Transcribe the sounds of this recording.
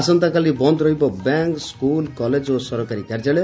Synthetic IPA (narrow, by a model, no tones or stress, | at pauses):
asɔnt̪akalibɔnd̪ɾʌibɔbaŋkskulkɔled͡ʒosɔɾɔkaɾikaɾd͡ʒale